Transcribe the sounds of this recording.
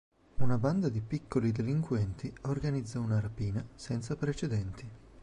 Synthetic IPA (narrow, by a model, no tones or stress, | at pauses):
unaband̪ad̪ipikʰːolid̪eliŋkwɛnt̪iorɡanid̪zːaunaɾapiːnasɛnt̪sapɾet͡ʃed̪ɛnt̪i